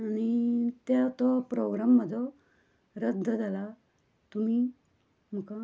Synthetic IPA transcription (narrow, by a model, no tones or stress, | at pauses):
aɽ̃it̪at̪ɔpɾoɡɾamːəd̪ʱɔ | ɾəd̪ʱːəd͡zʱala | t̪um̤i | m̤əka